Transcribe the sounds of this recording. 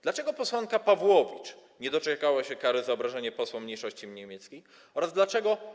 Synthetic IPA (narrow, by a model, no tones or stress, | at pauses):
d̪lat͡ʂɛɡɔpɔswaŋkapavwɔvʲit͡ʂɲɛd̪ɔt͡ʂɛkawaɕɛkaɾɘzaɔbɾaʐɛɲɛpɔswɔmɲejʂɔɕt͡ɕimɲemʲjɛt̪skʲej | ɔɾazd̪lat͡ʂɛɡɔ